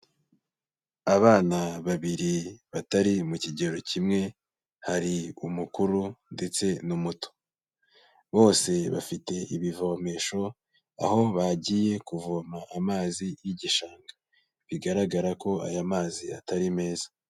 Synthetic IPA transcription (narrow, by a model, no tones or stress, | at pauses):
aβaːnaβaβiɾiβataɾimuciɟe̞ɾo̞cimŋe̞ | haɾiumukuɾundet͡se̞numuto̥ | βo̞ːse̞βa̰fite̞ʔiβivo̞me̞ʃo̞ | a̰ho̞βaɟiːje̞kuvomaːmaːzijiɟiʃaːŋɡa | βiɡaɾaɡaɾako̞a̰jamaːziataɾime̞ːzḁ